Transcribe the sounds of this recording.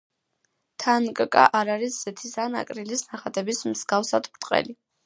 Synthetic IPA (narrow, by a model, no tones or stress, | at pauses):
t̪ʰankʼkʼa̰ʔaɾaɾisz̥ɛt̪ʰisana̰kʼɾilisnaχad̪ɛbismzɡafsad̪bɾt̪ʼqʼɛ̰li